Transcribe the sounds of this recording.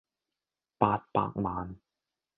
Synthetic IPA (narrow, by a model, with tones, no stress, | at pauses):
paː˧t̚pa̰ː˨k̚maː˨˥n